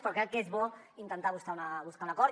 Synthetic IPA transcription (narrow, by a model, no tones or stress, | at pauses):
pɾɔkɾɛkːezβɔint̪ənt̪aβuskaunaβuskaunɐkɔɾ